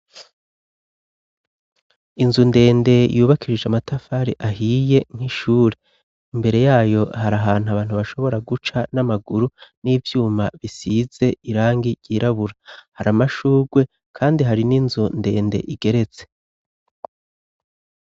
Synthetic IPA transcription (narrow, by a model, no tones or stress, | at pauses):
inzunde̞ːnde̞jʔuːβakʰiɾid͡ʒamatafaːɾiʔaɦije̞ŋ̥hiʃuːɾe̞ | imbe̞ɾe̞jaːjo̞haɾaɦaːn̥uaβaːnhuβaʃo̞βo̞ɾaɡut͡ʃanamaɡuɾuniːvjuːmaβisiːz̥e̞ʔiɾaːŋɡiɟiːɾaβuɾahaɾamaʃuːɡwe̞ | kʰaːndiɦaɾininzunde̞ːnde̞̰ʔiɡe̞ɾe̞t͡se̞̥